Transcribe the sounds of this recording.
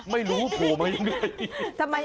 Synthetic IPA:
ma˥˩jluː˨˦˥pʰuː˨˩ma˧ja˧ŋɾa˧˩jt̪ʰa˧mːa˧

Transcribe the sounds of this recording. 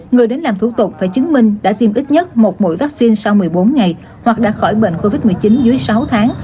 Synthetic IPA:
ŋɨ˨˩əjɗe˨˦nlaː˨˩mt̪ʰu˧˩t̪ʊ˨˩k͡p̚faː˧˩jt͡ɕɨ˨˦ŋmï˧ŋ̟ɗa̰ː˧˥t̪i˧mʔi˦˥t̚ɲə˦˥t̚mo˨˩t̚mo̰˧˥jvaː˦˥k̚si˧nsa˧wmɨ˨˩əjɓo˨˦nŋa˨˩j | hwa˨˩k̚ɗa̰ː˧˥xɔ˧˩jɓḛ˧˨nko˧vi˦˥t̚mɨ˨˩əjt͡ɕi˨˦nzɨ˨˦əjsa˨˦wt̪ʰaː˨˦ŋ

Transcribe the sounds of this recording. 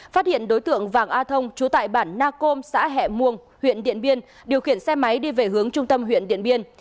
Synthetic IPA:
faː˦˥t̚hḭ˧˨ənɗo˨˦jt̪ɨ̰˧˨əŋvaː˨˩ŋʔaː˧t̪ʰə˧wŋ͡mt͡ɕu˨˦t̪a̰ː˧˨jɓaː˧˩nːaː˧ko˧msa̰ː˧˥ɦɛ̰˧˨mu˨˩əŋ | hwḭ˧˨ənɗḭ˧˨ənɓi˧ən | ɗi˨˩əwxi˧˩ənsɛ˧ma˨˦jɗi˧ve˨˩hɨ˨˦əŋt͡ɕʊ˧ŋ͡mt̪ə˧mɦwḭ˧˨ənɗḭ˧˨ənɓi˧ən

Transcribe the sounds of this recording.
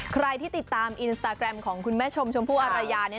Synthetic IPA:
kʰɾa˧jt̪ʰiː˥˩i˨˩t̪ːaː˧mʔi˧nst̪aː˧kɾɛ˧mkʰɔː˩˦ŋkʰu˧nmɛː˦˥t͡ɕʰo˧mt͡ɕʰo˧mpʰuː˥˩ʔa˧ɾa˧jaː˧ni˥˩

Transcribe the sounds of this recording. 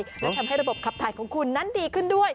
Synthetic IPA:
aː˥˩j̪ʰa˧mɦa˥˩jɾa˧bo˨˩p̚kʰa˨˩pt̪ʰaː˨˩˦jkʰɔː˩˦ŋkʰu˧nːa˦˥ndiː˧kʰɯ˥˩ndu˥˩əj

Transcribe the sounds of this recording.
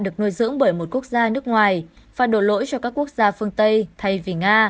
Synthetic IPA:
ɗɨ˨˩ək̚no˧jzɨ̰˧˥əŋɓəː˧˩jmo˨˩t̚ku˦˥ək̚zaː˧nɨ˦˥ək̚ŋwaː˨˩j | vaː˨˩ɗo˧˩lo̰˧˥jt͡ɕɔ˧kaː˦˥kːu˦˥ək̚zaː˧fɨ˧əŋt̪ə˧jt̪ʰa˧jvi˨˩ŋaː˧

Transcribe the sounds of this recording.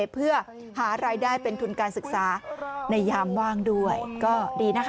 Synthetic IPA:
pʰɯ˥˩ɐ | haː˩˦ɾaː˧jdaː˥˩jpe˧nt̪ʰu˧nkaː˧nsɯ˨˩k̚saː˩˦na˧jːaː˧mwaː˥˩ŋdu˥˩əjkɔː˥˩diː˧na˦˥kʰ

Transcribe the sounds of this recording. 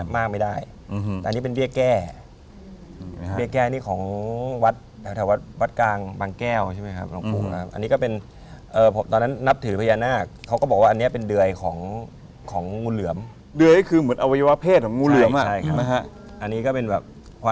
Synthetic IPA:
maː˥˩k̚ma˥˩jda˥˩j | ɛ˨˧nːi˦˥pe˧nbi˥˩əkɛː˥˩ | bi˥˩əkɛː˥˩niː˥˩kʰɔː˩˦ŋwa˦˥t̪̚ʰ | ɛ˨˦t̪ʰɛ˨˩˦wa˥˩t̪̚wa˦˥t̪̚klaː˧ŋbaː˧ŋkɛː˥˩wt͡ɕʰa˥˩ma˦˥jkʰa˦˥p̚la˧˩ŋpṵː˧˩a̰˧kʰa˦˥pʔa̰˧nːiː˦˥kɔː˥˩pe˧n | ʔɤː˨˩pʰo˩˦mt̪ɔː˧nːa˦˥nːa˦˥p̚t̪ʰɯː˩˦pʰa˧jaː˧naː˥˩kʰa˦wkɔː˥˩bɔː˨˩k̚waː˥˨˧ni˦˥ɐ˨pe˧ndɯ˧əjkʰɔː˩˦ŋ | kʰɔː˩˦ŋːuː˧nlɯ˩˦əm | dɯ˧əji˥˩kʰɯː˧mɯ˩˦nʔa˧wa˧ja˧wa˦˥pʰeː˥˩t̪̚ʰɔː˨˩˦ŋuː˧lɯ˨˩˦mʔa˨a˥˩jkʰa˦˥˧a˦˥ | ʔa˧nːiː˦˥kɔː˥˩pe˧nbɛː˨˩p̚ | kʰa˧

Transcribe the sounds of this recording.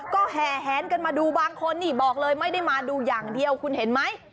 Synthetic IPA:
kɔː˥˩ɦɛː˨˩ɦɛː˨˩˦nka˧nmaː˧duː˧baː˧ŋkʰo˧nːiː˧˩bɔː˨˩k̚lɤː˧jma˥˩jda˥˩jmaː˧duː˧jaː˨˩ŋdi˧əwkʰu˧nhe˩˦nma˦˥j

